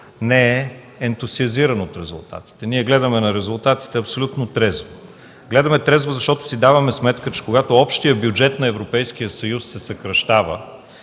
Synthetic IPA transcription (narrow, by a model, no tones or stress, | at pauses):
nɛɛː | nt̪uziɐziɾənot̪ɾɛzṵlˠt̪a̰t̪i̥t̪ɛniɛɡlɛd̪əmɛnɐɾɛzulˠt̪at̪i̥t̪ɛɐpsolʲut̪not̪ɾɛzvo | ɡlɛd̪əmɛt̪ɾɛzvozɐʃt̪ɔt̪ʊ̥sid̪avəmɛsmɛt̪kət͡ʃɛ̥koɡat̪oɔpʃt̪ijəbjud͡ʒɛt̪nɐɛvɾopɛjsk̟ijəsɐjusːɛsɐkɾɐʃt̪avə